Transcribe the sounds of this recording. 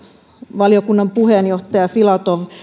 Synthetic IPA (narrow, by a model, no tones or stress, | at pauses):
ʋɑliokunːɑmpuhenjoht̪ɑjɑfilɑt̪oʋ